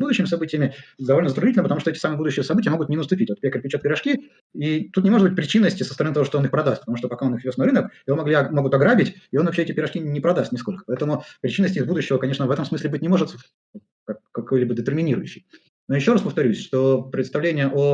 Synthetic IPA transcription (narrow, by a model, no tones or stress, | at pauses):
bud̪ʊɕːɪmʲɪsɐbɨtʲɪjəmʲɪd̪ɐvolnəzət̪ɾʊdʲitʲlʲnəpət̪ɐmuʂt̪oɛtʲɪsamɨəbud̪ʊɕːɪjəsɐbɨtʲɪjəmo̞ɡʊt̪nʲɪnəst̪ʊpʲitʲvot̪̚ʲpʲekəpʲɪt͡ɕot̪pʲɪɾɐʂkʲi | it̪ut̪nʲɪmoʐt̪bɨtʲpɾʲɪt͡ɕinːəsʲtʲɪsəst̪əɾɐnɨt̪ɐoʂt̪oonɨxpɾɐd̪ast̪̚ʲpət̪ɐmuʂt̪opɐkao̞nɨxvʲosnɐɾɨnəkɪvomɐɡlʲimoɡʊt̪ɐɡɾabʲɪtʲɪo̞nvɐpɕʲeɛtʲɪpʲɪɾɐʂkʲinʲɪpɾɐd̪ast̪ʲnʲɪsko̞lʲkə̥pɐɛt̪əmʊpɾʲɪt͡ɕinːəsʲtʲɪixbud̪ʊɕːɪvəkɐnʲeʂnəvɛt̪əmsmɨsʲlʲɪbɨt̚ʲnʲɪmo̞ʐɨt̪ | kɐkːɐkojlʲibəd̪ət̪ʲɪrmʲɪnʲiɾʊjʉɕːɪj | nojɪɕːo̞ɾaspəft̪ɐɾʲusʲʂt̪opɾʲɪt̪st̪ɐvlʲenʲɪjəʔo